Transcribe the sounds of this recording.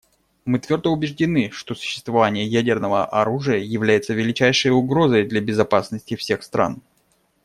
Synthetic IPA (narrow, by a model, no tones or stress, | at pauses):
mɨt̪vʲo̞rd̪əʊbʲɪʐdʲɪnɨʂt̪o̞sʊ̥ɕːɪst̪vɐvanʲɪjəjædʲɪrnəvəʔɐɾuʐɨjəjɪvlʲæjɪt̪səvʲɪlʲɪt͡ɕæjʂɨjʊɡɾo̞zəjd̪lʲabʲɪzɐpasnəsʲtʲɪfsʲe̞xst̪ɾʔa̰n